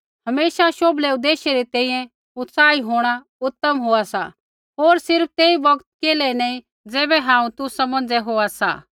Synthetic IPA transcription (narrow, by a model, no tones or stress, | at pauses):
hɐmeːʃaʃoːblɛʊd̪eːʃeɾit̪ɛ̃ːĩjɛ̃ | ʊt̪saːiɦoːɽ̃a | ʊt̪ːəmɦoasa̰ | ɦoːɾsɪɾp̚ʰt̪eːibɐɡt̪̚keːlɛnaːĩ | d͡zɛːbɛɦãːũt̪usɐmə̃nd͡zɛɦoːasa̰ː